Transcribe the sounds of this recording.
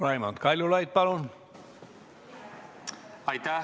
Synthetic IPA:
lɑimɑ̰nt̪kɑlʲolɑit̪̚pɑlon | ɑit̪a

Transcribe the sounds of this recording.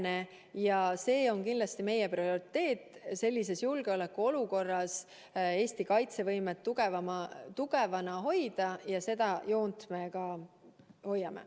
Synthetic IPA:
ne̞ | jɑse̞ːo̞nkind̪lɑst̪ime̞jeprio̞ɾit̪ːe̞ːt̪ːˑse̞lʲːise̞sjulɡ̥eo̞le̞kːuo̞luko̞rːɑs | e̞ːst̪ikɑjt̪se̞vɤ̞jmet̪ːuɡ̥e̞vɑmɑt̪uɡ̥e̞vɑnɑɦo̞jd̪̥ɑjɑse̞d̪̥ɑjo̞ːnt̪me̞ɡɑ | ho̞jːɑmḛ

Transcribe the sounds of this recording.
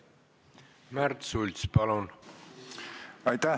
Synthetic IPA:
mæɾt̪sulʲt̪spɑlun | ɑjt̪æ

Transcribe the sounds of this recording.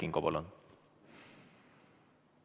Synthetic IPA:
iŋkɔbɔlɔ̰n

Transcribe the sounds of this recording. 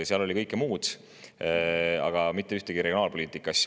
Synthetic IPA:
seɑlo̞lʲikɤjkːˑemuːd̪̥ | ɑ̰ɡ̥ɑmit̪ːˑe̞yht̪eɡiɾeionɑːlpo̞liːt̪ːˑikːˑɑs

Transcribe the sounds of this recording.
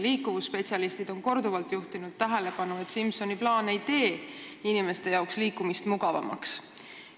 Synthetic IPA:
liːkːˑuvusːpe̞t̪ʲsiɑlist̪id̪̥o̞nko̞rd̪uvɑlt̪juht̪inud̪̥̚t̪ːæɦele̞pɑnue̞t̪simso̞niplɑːne̞jt̪e̞ː | inime̞st̪e̞jɑoksliːkːumist̪muɡɑvɑ̰mɑ̰ks

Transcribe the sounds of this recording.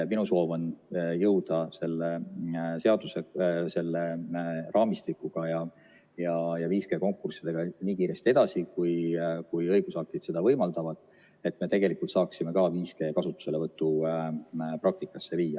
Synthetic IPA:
minuso̞ːvonjɤwd̪̥ɑse̞lːese̞ɑd̪̥use̞se̞lːerɑːmist̪ikːˑuɡ̥ɑjɑ | jɑjɑviːske̞ːko̞ŋkːˑursid̪̥e̞ɡ̥ɑniːkiːɾe̞st̪ie̞d̪̥ɑsikujkujɤjɡ̥usɑk̚t̪id̪̥se̞d̪̥ɑvɤjmɑld̪ɑvɑd̪̥ | e̞t̪ːme̞t̪e̞ɡe̞likːult̪sɑːksime̞kɑːviːske̞ːkɑsut̪ːu̥se̞levɤt̪ːˑu | pɾɑk̚t̪ikːˑɑsːe̞viːjːɑ

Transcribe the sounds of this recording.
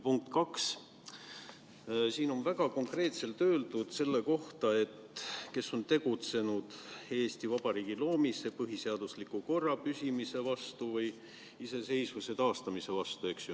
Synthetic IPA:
puŋk̚t̪kɑks | siːno̞nvæɡ̥ɑko̞ŋkre̞ːt̪se̞lt̪ø̞ːld̪̥ud̪̥se̞lːe̞ko̞ht̪ɑe̞t̪ke̞sːo̞nt̪e̞ɡ̥ut̪se̞nud̪̥e̞ːst̪ivɑb̥ɑɾiːɡ̥ilo̞ːmise̞pɤɦiseɑd̪̥uslikːuko̞rːɑpysʲimise̞vɑst̪uvɯj | ise̞se̞jsvuse̞t̪ɑːst̪ɑmise̞vɑst̪ue̞ksju

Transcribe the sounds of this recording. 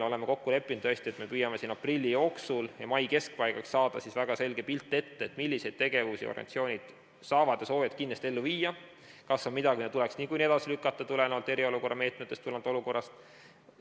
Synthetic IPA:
o̞le̞meko̞kːule̞pːˑind̪̥ɤsʲt̪ie̞t̪me̞pyjɑme̞siːnɑprilʲːijo̞ːksuljɑ̰mɑjke̞sk̚pɑjɡ̥ɑksɑːd̪̥ɑsisvæɡ̥ɑse̞lɡ̥e̞pilt̪ˑːe̞t̪ːeet̪ˑmilːise̞jd̥̪̚t̪e̞ɡe̞vusḭo̰ɾḛnt̪sio̞ːnʲid̪̥ | sɑːvɑd̪̥eso̞ːjɑt̪̚kinːest̪ie̞lːuviːjɑ | kɑsːonmid̪ɑɡinet̪ule̞ksniːkujnie̥ɑsilykːˑɑt̪ːˑɑt̪ulenolt̪e̞ɾio̞luko̞rːɑme̞ːt̪met̪ːe̞st̪ulɑnd̪̥o̞luko̞rːɑst̪

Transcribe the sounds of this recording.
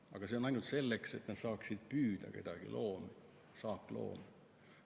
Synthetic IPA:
ɑɡ̥ɑseo̞nɑjnult̪se̞lːekse̞̰t̪ːnɑd̪̥sɑːksid̪̥̚pyːd̪̥ɑ̰ke̞̰d̪̥ɑɡ̥ḭlʔo̞ːmi | sɑːpːˑlo̞̰ːmi

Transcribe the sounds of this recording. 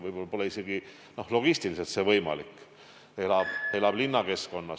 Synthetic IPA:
vɤjbolbo̞lːɑise̞ɡ̥i | no̞hlo̞ɡ̥isʲt̪iliselt̪se̞vɤjmɑ̰likːˑ | elɑb̥elɑb̥linːɑke̞sko̞nːɑ

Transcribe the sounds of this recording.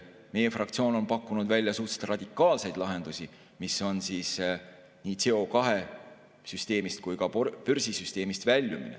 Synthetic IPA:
me̞je̞frɑkt̪sio̞ːno̞npɑkːunud̪vælʲjɑsuht̪se̥t̪rɑd̪̥ʲikːˑɑːlse̞jd̪̥lɑɦe̞nd̪̥usʲi | miso̞nsiːs | niːt̪se̞o̞kɑɦe̞ | syst̪e̞ːmist̪̚kujkɑpyɾsisyst̪e̞ːmist̪vælʲːumḭnḛ

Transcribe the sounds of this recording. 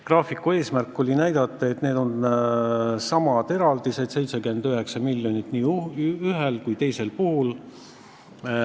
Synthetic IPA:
krɑːfikːˑue̞ːsmærkːˑo̞lʲinæjd̪̥ɑt̪ˑːɑe̞t̪neːd̪o̞n | sɑmɑd̪e̞ɾɑld̪ise̞d̪̥se̞jt̪sekyend̪yɦe̞ksɑmilʲːjo̞nit̪ːˑniːyɦelkujt̪e̞jse̞lpuhul

